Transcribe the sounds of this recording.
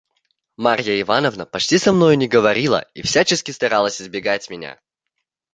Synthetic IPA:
maɾʲjəɪvanəvnəpɐt͡ɕtʲisɐmnojʊnʲɪɡəvɐɾʲilˠə̰ifsʲat͡ɕɪskʲɪst̪ɐɾalˠəsʲɪzbʲɪɡatʲmʲɪnʲa̰

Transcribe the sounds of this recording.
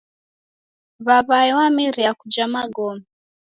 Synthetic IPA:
βaβaɛwamiɾiakud͡ʒamaɡɔma

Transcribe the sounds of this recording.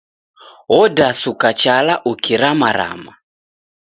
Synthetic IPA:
ɔdasukat͡ʃalaʔukiɾamaɾa̰ma

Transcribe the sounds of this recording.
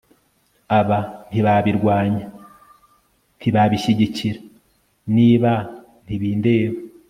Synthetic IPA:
aβan̥hiβaβiɾɡwaːɲa | n̥tiβaβiʃiɟiciɾa | niːβa | n̥iβiːnde̞ːβa

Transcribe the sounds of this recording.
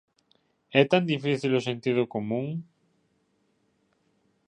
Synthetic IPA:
ɛt̪and̪ifiθilosẽnt̪ið̞ʊkomũŋ

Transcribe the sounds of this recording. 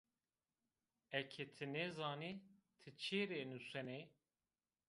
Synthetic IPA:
ɛkʰet̪ʰɨnɛzaːnit̪ʰɨt͡ʃʰeːɾenusɛne

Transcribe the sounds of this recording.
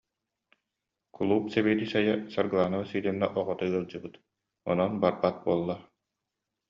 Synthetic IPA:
kʰulˠuːpsɛbiːd̪isajasaɾɡɯlˠaːnasiːlinːɛʔɔʁɔt̪aɯɐlˠd͡ʑɯbɯt̪ | ɔ̰nɔnbaɾbat̪̚buɔlˠːa

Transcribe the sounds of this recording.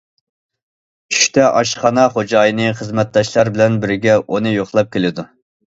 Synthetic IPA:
t͡ʃʰy̥ʃt̪ʰɛʔɑʃχɑnɑχod͡ʒɑːjɨnɨχəzmɛt̪̚d̪ɑʃlˠɑɾbɪlɛnbɪɾɪɡʲɛʔonɨjoχlˠɑp̚kʲʰelɪd̪u

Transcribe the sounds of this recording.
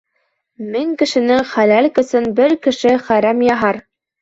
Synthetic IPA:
miŋkɘ̆ʃɘ̆nɘŋχælælkɘ̆sɘnbɘɾkɘ̆ʃɘχæɾæmjɑɦɑɾ

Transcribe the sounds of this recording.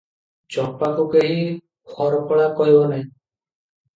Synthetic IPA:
t͡ʃɔpakukeɦĩ | kʰɔɾɔkɔɭakɔɦibɔnaɦĩ

